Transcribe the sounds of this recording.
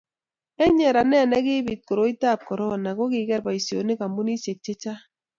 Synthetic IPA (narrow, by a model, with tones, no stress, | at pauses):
ɛ˦ɲɛ˨ɾa˨nɛ˦˨nɛ˦kɪ˦bi˨t̚ko˨ɾo˦i˦ta˦˨p̚kɔ˨ɾɔ˦˨na˨ko˦kɪ˨˦kɛ˦ɾba˨i˨sjo˨ne˦ka˨mbu˦ni˦se˨k̚t͡ʃɛ˦t͡ʃa˦